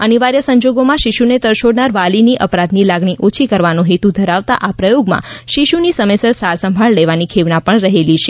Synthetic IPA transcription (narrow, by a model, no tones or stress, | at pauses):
əniʋaɾjəsəɲd͡ʒoɡomãʃiʃunet̪əɾʃoɽnaɾʋaliniʔəpɾat̪nilaɡɳ̃iʔot͡ʃʰikəɾʋanõɦet̪ud̪ʱəɾaʋt̪a̰ʔapɾəjoɡmã̰ʃiʃunisəmesəɾsaɾsəmbʱaɭleʋanikʰeʋnapəɳɾəɦelit͡ʃʰe